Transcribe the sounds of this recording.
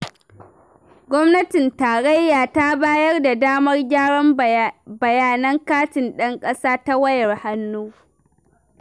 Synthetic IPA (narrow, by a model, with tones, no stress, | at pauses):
ɡʷɔ˦mnɐ˦tɪ˨ntaː˨ɽe˦jːaː˨ta˦baː˦jɐ˦rda˨daː˦mɐ˦rɡʲaː˦ɽɔ˦mbɐ˨jaː˨nɐ˦ŋkaː˦tɪ˨nɗɐ˦ŋkʼɐ˦saː˦ta˦wɐ˦jɐ˨rha˦nːuː˦